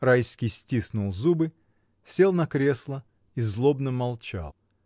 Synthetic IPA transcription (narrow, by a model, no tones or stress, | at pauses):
rajskʲijsʲtʲisnulˠzubɨ | sʲe̞lˠnɐkɾʲe̞slˠə | izlˠobnəmɐlˠt͡ɕa̰lˠ